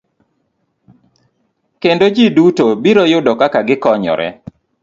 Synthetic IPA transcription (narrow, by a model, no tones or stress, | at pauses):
kendod͡ʒidutobiɾojʊdɔkakaɡɪkɔɲɔ̰ɾɛ̰